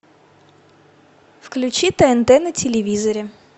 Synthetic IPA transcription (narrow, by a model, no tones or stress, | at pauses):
fklʲʉt͡ɕit̪ɛɛnt̪ɛnətʲɪlʲɪvʲizəɾʲɪ